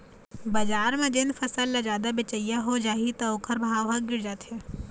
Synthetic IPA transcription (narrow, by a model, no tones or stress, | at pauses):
bɐd͡ʒaːɾmẽd͡ʒɪnfʰɐsəlːɐd͡ʒaːd̪abɪt͡ʃəijaɦod͡ʒaːɦit̪ɐokʰəɾbʱaːʋɦaɡɪɽd͡ʒaːt̪ɦe